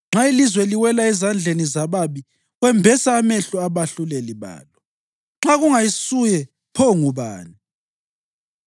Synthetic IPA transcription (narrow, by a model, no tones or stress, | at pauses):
ŋ͡ǁailizwɛliwɛlaɛzand͡ɮʱenizaβaβi | ɣwɛmbʱɛsaːmɛɬuaβaɬulɛliβa̰ːlɔ | ŋ͡ǁaɣuŋajisujɛ | pʰɔŋuβa̰ːni